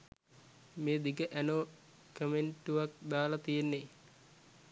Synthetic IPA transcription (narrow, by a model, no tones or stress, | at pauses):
meːd̪ikəʔænoː | kəmeɳʈuʋak̚d̪aːlat̪ijenːe